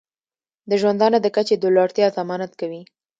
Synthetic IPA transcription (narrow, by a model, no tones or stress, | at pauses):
d̪əʒwand̪ɑnod̪əkat͡ʃed̪olɑɽt̪jɑzamɑnat̪kawi